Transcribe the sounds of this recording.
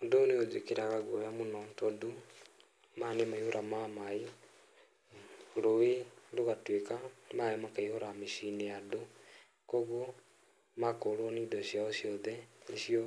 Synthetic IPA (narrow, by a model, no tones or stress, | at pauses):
odoneod͡ʒekeɾaɣaɡɔjamonɔntɔdo | manemaihoɾʔamamae | ɾoedoɣatwekamaemakaihoɾameʃineado | kɔɣo | makoːɾwɔnidɔɕjaoɕjɔðɛeʃijɔ